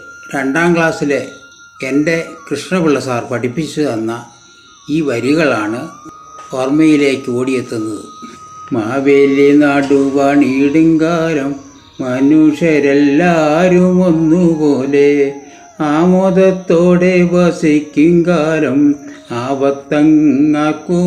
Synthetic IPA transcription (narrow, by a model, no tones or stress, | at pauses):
ɾe̞ɳɖaːmɡɭaːsile | ende̞krɨʂɳɐpiɭːɐsaːrpɐʈipːit͡ɕːuðenːɐ | iːʋɐɾiɣɐɭaːɳɨ | ormɐjile̞ːkːɨoːɽijet̪ːunːɐðɨmaːʋeːlinaːɽuʋɐɳiːɽuŋkaːɾɐmː | ɐnuːʂɐɾelːaɾumo̞nːupoːle̞ | aːmoːðɐt̪ːoːɽe̞bɐsikʲːuŋkaːɾɐmaːbɐt̪ːɐŋːaːkːu